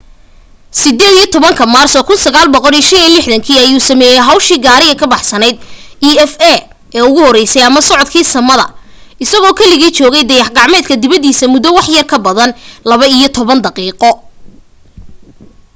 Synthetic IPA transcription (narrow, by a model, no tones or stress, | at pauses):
sɪd̪ɛːd̪ijɔt̪ʰɔβɐŋkʰɐmaːrsɔkʰʊnsɐɣaːlbɔqɔɾiːʃɐniːlɪħðɐŋkʰiːɐjuːsɐmɛːjɛjɦɐwʃiːɡaːɾɪɣɐkʰɐbɑħsɐnɛjd̪̚iɛfɛ | ɛːʊɣʊhɔɾɛjsɛjɐmɐsɔʕɔd̪kʰiːsɐmɐðɐ̰ | ɪsɐɣɔːkʰɐlɪɣiːt͡ʃɔːɣɛjd̪ɐjɑħɡɑʕmɛːd̪kʰɐd̪ɪβɐd̪iːsɐmʊðɔwɑħjɐrkʰɐbɐðɐnlɐβɐijɞt̪ʰɔβɐnd̪ɑqiːqɔ